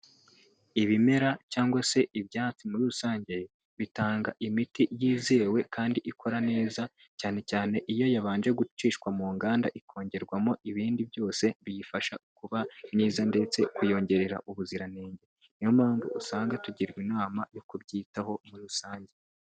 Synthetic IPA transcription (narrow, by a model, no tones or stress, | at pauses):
iβime̞ɾacaːŋɡwase̞ʔiβjaːt͡simuɾuusaːɲɟe̞ | βitaːŋɡaʔimitijiːzeːwe̞kaːndiʔikʰo̞ɾane̞ːza | caːne̞caːne̞ʔijo̞jaβaːnd͡ʒe̞ɡu̥t͡ʃiːʃkwamuːŋɡaːnda̰ʔikʰo̞ːɲɟe̞ɾɡwamo̞ʔiβiːndibjo̞ːse̞βijifaʃaukuβamniːzande̞t͡se̞kujo̞ɲɟe̞ɾe̞ɾa̰ʔuβuziɾane̞ːɲɟe | nijomaːɱvuʔusaːŋɡatuɟiɾɡwinaːmajo̞kuβɟiːtaɦo̞muɾuusaːɲɟe